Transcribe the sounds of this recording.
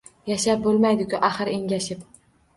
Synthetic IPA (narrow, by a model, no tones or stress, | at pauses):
jaʃap̚bolˠmajd̪ɪkʲʰʊʔaχɨɾeŋɡʲaʃɪp